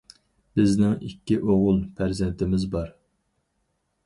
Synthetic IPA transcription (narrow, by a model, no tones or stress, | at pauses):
bɪznɪŋikʲːiʔoʁʊlˠpʰæɾzɛnt̪ʰɪmɪzbɑɾ